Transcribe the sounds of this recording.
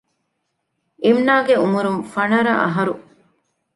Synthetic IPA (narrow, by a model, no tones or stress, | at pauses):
imnaːɡeumuɾunfɐɳɐɾɐʔɐ̰ɦɐɾu